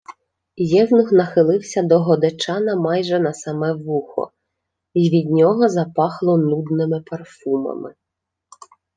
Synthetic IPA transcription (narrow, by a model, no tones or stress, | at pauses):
jɛwnʊxnɐxɪlˠɪwsʲɐd̪ɔɦɔd̪et͡ʃɑnɐmɑjʒɛnɐsɐmɛʋuxɔ̰ | iʋʲid̪ʲnʲɔɦɔzɐpɑxlˠɔnud̪nɪmɪpɐrfumɐ̰mɪ̰